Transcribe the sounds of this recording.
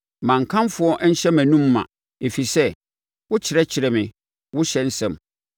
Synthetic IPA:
mã˨ŋ˨kʰã˦mfʊ˦ɔ˦ʔɲ̩˦ɕɛ˦mæ̃˨nũ˦mːã̰˨ | e˨fi˨sɛ˦ | wʊ˦t͡ɕʰɪ˨ɾɛ˦t͡ɕʰɪ˨ɾɛ˨mɪ̃˨ | wʊ˦ɕɛ˦n̩˦sɛ̃˦˨m

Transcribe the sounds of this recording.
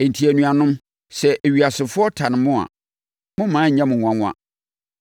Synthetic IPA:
e˨n̩˨tʰi˨æ˨nũ˨a˨nʊ̃˦m | sɛ˨ʔe˨ɥi˨a˨sɪ˨fʊ˦ɔ˦tʰa˨nɪ̃˨mʊ̃˦a̰˨ | mʊ̃˦mãː˨˦˨ɲã˦mʊ̃˨ã˨˦ŋʷʊ̃˦a̰˨

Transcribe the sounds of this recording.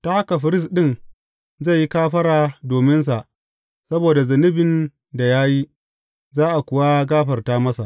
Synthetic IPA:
ta˦ha˦ka˨ɸɪ˦ɾɪ˦s̬ɗɪ˦˨n | za˦˨jːi˦kaː˦ɸɐ˦ɽaː˨doː˨mɪ˦ns̬a˨ʔ | sɐ˦boː˨da˨zɐ˨nɪ˦bɪ˨n | da˨jaː˦ji˦ | zaː˦ʔa˨kʷʊ˨wa˦ɡaː˦ɸɐ˨rtaː˦mɐ˦sa˨ʔ

